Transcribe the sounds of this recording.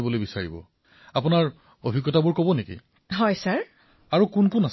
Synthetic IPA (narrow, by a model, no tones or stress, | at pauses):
bɔlojbisaɹibɔ̰ | apʊnaɹ | obʱikːɔtabʊɹkɔbɔnekḭ | ɦɔjsaɹ | aɹukunkunas